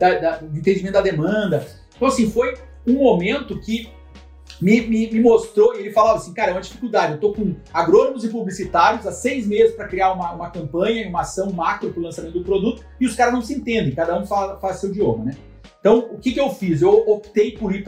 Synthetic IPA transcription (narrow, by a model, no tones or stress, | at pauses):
d̪ɐd̪ɐʊẽnt̪ẽnd͡ʒiẽt̪ʊd̪ɐd̪emɐ̃nd̪ɐ̃ẽt̪ɐ̃w̃asĩfoj | ũmomẽnt̪ʊkɪ | mɪmɪmɪmost̪ɾoielɪfalavɐasĩkaɾɐɛũmɐd͡ʒifi̥kuwd̪ad͡ʒɪewt̪okõaɡɾonomʊzɪpublisit̪aɾjʊzasejzmezɪspɾɐkɾiaũmɐũmɐkɐ̃mpɐ̃ɲɐiũmɐasɐ̃w̃makɾʊpɾʊlɐ̃samẽt̪t̪ʊd̪ʊpɾod̪ut̪ʊ̥ɪʊskaɾɐznɐ̃w̃sɪẽnt̪ẽnd̪ẽj̃kad̪ɐũfafazsewd͡ʒiõmɐnɛ̃ | t̪ɐ̃w̃ʊkɪkɪewfizewopit̪ejpʊɾi